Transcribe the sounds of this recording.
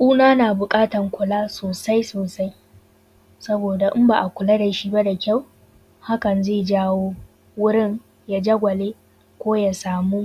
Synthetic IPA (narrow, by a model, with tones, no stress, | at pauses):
ʔʼuː˦naː˦naː˨bʊ˨kʼaː˦tɐ˨ŋkʷʊ˨laː˦soː˨sa˦jsoː˨sa˦j | sɐ˦boː˨da˨ʔɪ˦mba˨ʔa˨kʷʊ˨la˦da˨ʃi˦ba˦da˨kʲa˦˨w | ha˦kɐ˨nzeː˦˨d͡ʒaː˦woː˦ | wʊ˦ɽɪ˦ŋ | ja˦d͡ʒɐ˦ɡʷɐ˨leː˦ | kʷoː˦ja˨saː˨mu˦